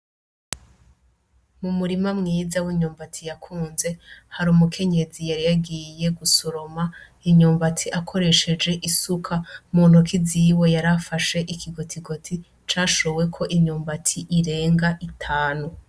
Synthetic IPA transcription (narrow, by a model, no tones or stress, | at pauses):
mumuɾimamŋiːzawiɲuːmbatʰijakʰuːnze̞haɾumukʰe̞ɲe̞zijaɾijaɡije̞ɡusoɾo̞ma | iɲuːmbatʰiʔakʰo̞ɾe̞ʃe̞d͡ʒe̞ʔisukʰamuːn̥hukʰiziwe̞jaɾafaʃe̞ʔikʰiɡo̞tʰiɡo̞tʰi | t͡ʃaːʃo̞we̞kʰo̞ʔiɲuːmbatʰiʔiɾe̞ːŋɡaʔitʰaːnu